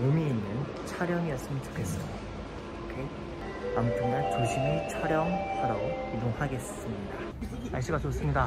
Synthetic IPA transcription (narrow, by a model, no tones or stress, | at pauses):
omiinːɯn | t͡ɕʰʌɾjʌŋias͈ɯmɯnt͡ɕo̥kʰe̞s͈ɯmjida | okʰe | ampʰuŋant͡ɕoɕʰimit͡ɕʰʌɾjʌŋsʰaɾʌkidoŋhaɡe̞s͈ɯmɲida | aɭɕ͈iɡasʰos͈ɯmɲida